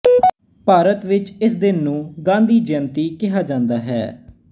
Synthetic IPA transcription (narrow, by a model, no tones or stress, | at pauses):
paːɾət̪ʋɪt͡ʃɪsd̪ɪnːũːɡãːnd̪iːd͡ʒɪənt̪iːkɪɦaːd͡ʒãːnd̪aːɦɛ̰ː